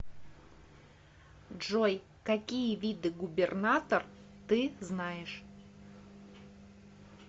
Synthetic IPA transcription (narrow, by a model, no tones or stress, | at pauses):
ʐoj | kɐkʲijəvʲid̪ɨɡʊbʲɪrnat̪ər | t̪ɨznajɪʂ